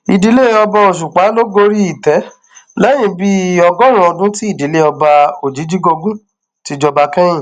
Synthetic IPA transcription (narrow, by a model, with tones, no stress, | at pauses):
i˨di˧le˦ɔ˧ba˧o˨ʃ̬u˨k͡pa˨˦lo˦ɡo˧ɾi˦i˦˨tɛ˨˦ | lɛ˦jĩ˧˨bi˦ɔ˧ɡɔ˦ɾ̃ũ˨˦ɔ˧dũ˦ti˦i˦˨di˨˦le˦ɔ˧ba˧o˨d͡ʒi˨˦d͡ʒi˦ɡo˧ɡũ˦ | ti˧d͡ʒɔ˧ba˧kɛ̃˦j̃ĩ˦˨